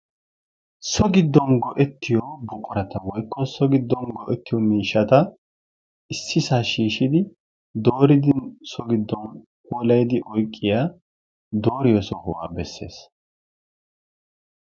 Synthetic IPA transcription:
sɔɡɪd̪ːɔnɡɔʔɛt̪ːɪjɔbɔkʼːɔɾɐt̪ɐwɔjkːɔsɔɡɪd̪ːɔnɡɔʔɛt̪ːɪjɔmiːʃɐt̪ɐ | ɪsːɪsaːʃiːʃɪd̪ɪ | d̪o̞ːɾɪd̪ɪnsɔɡɪd̪ːɔn | kulɐjd̪ɪʔɔjkʼːɪjaː | d̪oːɾɪjɔsɔhɔwa̰ːbɛsːe̞̰ːs

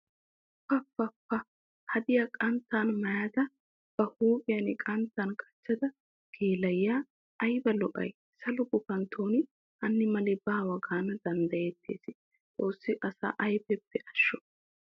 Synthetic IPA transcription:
pːɐpːɐpːɐ | hɐd̪ɪjɐkʼɐnt̪ːaːnmɐjaːd̪ɐ | b̥ɐhuːpʼɪjɐnɪkʼɐnt̪ːankʼɐ̥t͡ʃːɐd̪ɐ | kʰeːlɐjːaː | ʔɐjbɐlɔʔɐ̰j | sɐlʊɡʊkɐnt̪ʰoːnɪ | ʔɐnːɪmɐlɪbaːwɐɡaːnɐd̪ɐnd̪ɐjet̪ʰːḛːsɪ | t͡sʼo̞ːsːɪʔɐsa̰ːʔɐjbɛpːɛʔɐʃːɔ

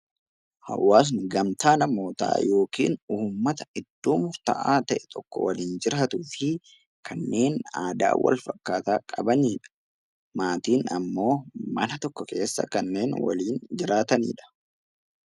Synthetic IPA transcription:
hɐ̰wːaːs̬nɪɡɐmt̪aːnɐmo̞ːt̪a̰ːjo̞ːkiːnuːmːɐt̪ɐɪd̪̥ːuːmʊɾt̪ɐʔaːt̪ɐʔɛt̪ʰɔkːɔ̰wɐliːnd͡ʒɪɾaːt̪ufɪ | kʰɐnːe̞ːnaːd̪a̰ːwɐ̰lfɐkːaːt̪aːkʼɐbɐniːᶑɐ̥ | maːt̪iːnɐ̰mːo̞ːmɐ̰nɐt̪ɔkːɔke̞ːsːɐ̰kɐnːe̞ːnwɐ̰liːnd͡ʒɪɾaːt̪ɐnḭːᶑɐ̥

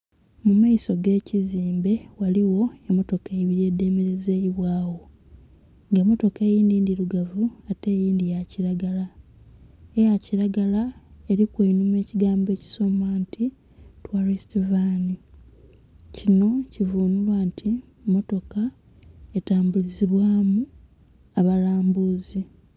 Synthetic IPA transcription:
mumaiso̞ɡe̞ːciziːmbe̞waliwo̞emo̞to̞keβije̞ːde̞ːmeɾe̞zeiβwaːwo̞ | ŋɡaemo̞to̞kejiːndiːndiɾuɡavuate̞ːjiːndijaciɾaɡala | ejaciɾaɡalae̞ɾikwenume̞ːciɡaːmbe̞ːci̥so̞maːntʰi | twaɾistovani | cino̞civuːnulwaːntʰi | mo̞to̞ka | etaːmbuliziβwaːmu | aβalaːmbuːzi

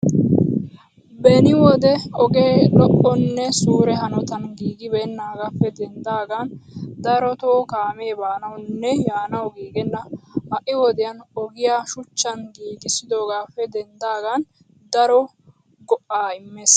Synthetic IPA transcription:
bɛnɪwɔd̪ɛɔɡe̞ːlɔʔːɔnːɛsuːɾɛɦɐnɔt̪ɐnɡiːɡɪbɛnːaːɡapːɛd̪ɛnd̪aːɡɐnd̪ɐɾɔt̪oːkaːmeːbaːnɐwnːɛjaːnɐwɡiːɡɛnːɐmɐʔɪwɔd̪ɪjɐnɔɡɪjaːʃʊt͡ʃːɐnɡiːɡɪsɪd̪o̞ːɡaːpːɛd̪ɛnd̪aːɡɐn | d̪ɐɾɔ | ɡɔʔaːɪmːeːs

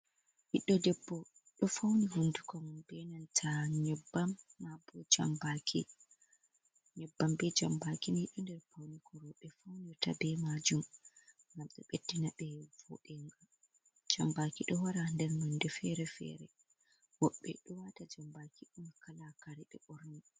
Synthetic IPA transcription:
hiɗːɔdɛbːɔ | ɗɔfawnihundukɔmbɛnantʰaɲɔbːamːabɔd͡ʒa̰mbakʰi | ɲɔbːambɛd͡ʒambakinhiɗːɔndɛɾpawnikɔɾɔɓɛfawniɔta̰bɛmad͡ʒum | ŋɡamɗɔɓedːinaɓɛvɔ̰ɗɛŋɡa | d͡ʒambakiɗɔwaɾandɛɾmandɛfɛɾɛfɛ̰ɾɛ | wɔɓɛ̰ɗɔwatad͡ʒambakʰiɗumkalakaɾɛɓɛ̰ʔɔɾni

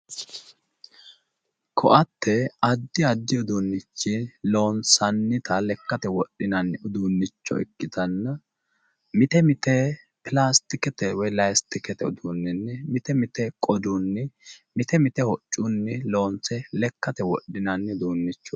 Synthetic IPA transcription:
kʰɔʔɐt̪ːɛɐd̪ːɪɐd̪ːɪʊd̪unːɪt͡ʃːɪloːnsɐnːɪt̪ɐlɛkːɐt̪ɛwɔɗːɪnɐnːʊd̪unːɪt͡ʃːɔ̰ɛ̰kːɪt̪ɐnːɐ | mɪt̪ɛmɪt̪ɛ | pɪlaːst̪ɪkɛt̪ɛwɔjlɐjst̪ɪkɛt̪ɛʊ̰d̪unːɪnːɛmɪt̪ɛmɪt̪ɛkʼɔd̪unːɪmɪt̪ɛmɪt̪ɛhɔt͡ʃʼːʊnːɪlo̞ːnsɛlɛkːɐt̪ɛwɔɗːɪnɐnːɪd̪uːnːɪt͡ʃːɔ

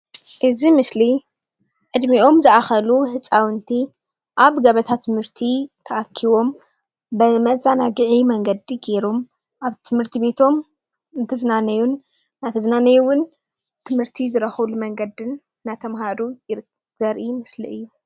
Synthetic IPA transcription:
ʔɨzimɨsli | ʕɨd̪mio̞mzɨʔaxɐluhɨt͡sʼawɨnt̪ʰi | ʔaβɡɐβɐt̪ʰat̪ʰːɨmhɨɾt̪ʰit̪ʰɐʔakʰːiβo̞m | bɐmɐzʼanaɡɨʕimɐŋɡɐd̪iɡe̞ɾom | ʔaβt̪ʰɨmhɨɾt̪ʰibe̞t̪ʰo̞m | ɨnt̪ʰɐzɨnanɐjunː | at̪ʰɐzɨnanɐjuwʊn | t̪ʰɨmhɨɾt̪ʰizɨɾɐxɐβlumɐŋɡɐd̪ɨnː | at̪ʰɐmhaɾujɪɾ | z̥ɐɾʔimɨslḭɨjːu

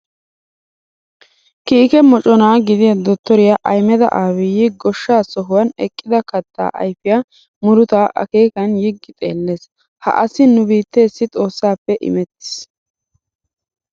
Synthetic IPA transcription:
kiːkɛmɔt͡ʃʼɔnaːɡɪd̪ɪjɐd̪ɔt̪ːɔɾɪjɐʔɐjmɛd̪ɐ̰ʔaːwɪjɪɡɔʃːaːsɔɦʊwɐnɛkʼːɪd̪ɐkɐt̪ːa̰ːʔɐ̰jfɪja | mʊɾʊt̪aːʔɐ̰ke̞ːkɐnjɪɡːɪt̪ʼe̞ːlːe̞ːs | hɐ̰ʔɐsɪnʊbiːt̪ːe̞ːsːɪt̪ʼo̞ːsːaːpːɛʔɪ̰mɛt̪ːɪ̥s

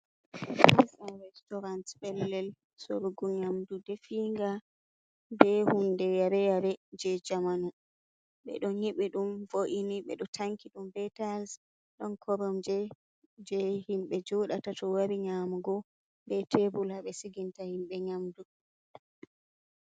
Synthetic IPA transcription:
aɾɛstɔɾantbɛlːɛl | so̰ɾuɡuɲamdudɛfiŋɡa | bɛhundɛjaɾɛjaɾɛd͡ʒɛd͡ʒamanu | ɓɛ̰ɗɔnɲiɓiɗumvoʔiniɓɛ̰ɗɔtʰaŋkiɗumbɛtals | ɗɔnkʰɔɾɔmd͡ʒɛ | d͡ʒɛhimɓɛd͡ʒɔɗatatɔwaɾiɲaːmuɡɔ | bɛtʰebulaɓɛsiɡintahimɓɛɲamdu

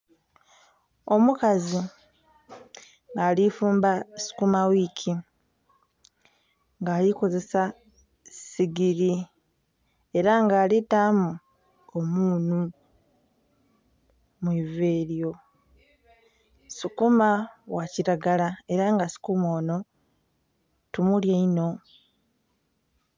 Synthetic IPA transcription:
o̞mukazi | ŋɡaːlifuːmbasu̥kumawicʰi | ŋɡaːliko̞ze̞sa | siɡiɾi | e̞ɾaŋɡaːlitamu | omuːnu | mwiːve̞ːɾjo̞ | sukumawaciɾaɡalae̞ɾaŋɡasu̥kumoːno̞ | tumuljaino̞

